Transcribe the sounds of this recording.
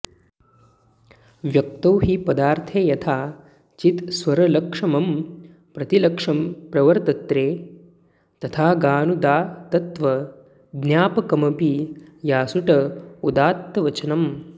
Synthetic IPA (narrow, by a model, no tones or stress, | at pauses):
ʋjɐk̚t̪ɐwɦipɐd̪aːɾt̪ʰeːjɐt̪ʰaː | t͡ʃit̪sʋɐɾɐlɐkʂɐmɐm | pɾɐt̪ilɐkʂɐmpɾɐʋɐɾt̪ɐt̪ɾeː | t̪ɐt̪ʰaːɡaːnud̪aːt̪ɐt̪ʋɐ | ɡ̪njaːpɐkɐmɐpijaːsuʈɐud̪aːt̪ːɐʋɐt͡ʃɐnɐm